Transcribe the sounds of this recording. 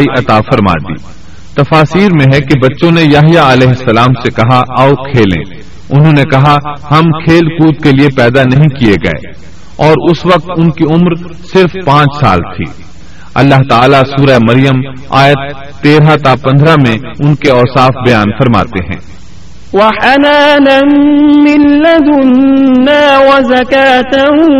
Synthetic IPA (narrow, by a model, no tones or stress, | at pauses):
iʔɐt̪afɐɾma̰ːd̪ḭː | t̪ɐfaːsiːɾmẽɦɛkebɐtːʃõnejaɦijaɐlɛːɦɪsːɐlaːmsekɐɦaʔaːokʰeːlḛ̃ː | ʊnɦõːnekɐɦahɐmkʰeːlkuːt̪keliepɛːd̪anɐɦĩkieɡɐ̰ḛː | ɔːɾʊsʋɐk̚t̪ʊnkiʊmɾ | sɪɾfpãːt͡ʃsa̰ːlt̪ʰḭː | ɐ̰lːaɦt̪aːlasuːɾaemɐɾijəm | a̰ːjət̪ː | eːɾɦat̪apɐ̃nd̪ʱɾamẽ | ʊnkeɔːsaːfbɐjaːnfɐɾma̰ːt̪eɦɛ̰̃ː | waħanaːnamːɪlːad̪ʊnːaːwɐzakaːt̪aɦ